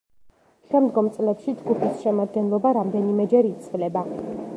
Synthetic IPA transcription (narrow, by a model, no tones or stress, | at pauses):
ʃɛmd̪ɡɔmt̪sʼlɛpʃid͡ʒɡupʰisʃɛmad̪̚ɡɛnlˠɔbaɾamd̪ɛnimɛd͡ʒɛɾiːt̪sʰilɛba